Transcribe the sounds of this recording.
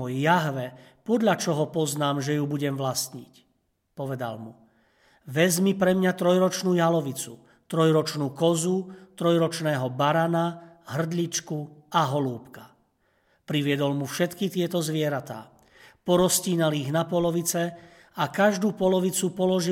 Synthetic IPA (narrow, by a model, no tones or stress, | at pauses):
ɔjjaɦʋɛ | pɔd̪ʎat͡ʃɔɦɔpɔznaːmʒɛjubuɟɛmʋlast̪ɲḭc | pɔʋɛd̪a̰lmu | ʋɛzmipɾɛmɲat̪ɾɔjɾɔt͡ʃnuːjalɔʋit͡su | t̪ɾɔjɾɔt͡ʃnuːkɔzut̪ɾɔjɾɔt͡ʃnɛːɦɔbaɾanaɦr̩d̪ʎit͡ʃkuaɦɔluːpka | pɾiʋɪɛd̪ɔlmufʃɛt̪kit̪ɪɛt̪ɔzʋɪɛɾat̪a̰ː | pɔɾɔsciːnaliɣnapɔlɔʋit͡sɛ | akaʒd̪uːpɔlɔʋit͡supɔlɔʒi